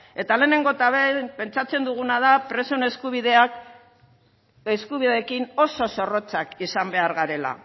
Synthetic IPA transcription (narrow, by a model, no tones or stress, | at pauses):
e̞t̪ale̞ːne̞ŋɡo̞t̪aβepe̞nt͡sat͡se̞nd̪uɣ̞unað̞apɾe̞soneskuβiðeak | eskuβiðe̞kino̞so̞so̞ro̞t͡sakisambe̞aɾɣaɾe̞la̰